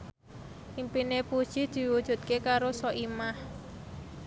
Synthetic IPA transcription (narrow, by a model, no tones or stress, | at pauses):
ʔimpinepud̥ʒ̥i̤d̪̥i̤wud̥ʒ̥ṳt̪̚kekaɾosɔʔimah